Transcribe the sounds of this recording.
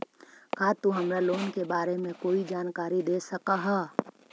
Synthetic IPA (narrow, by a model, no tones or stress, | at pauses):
kaːt̪uɦɐmɾaloːnkebaːɾemẽkoːid͡ʒaːnkaːɾid̪eːsɐkaɦɛː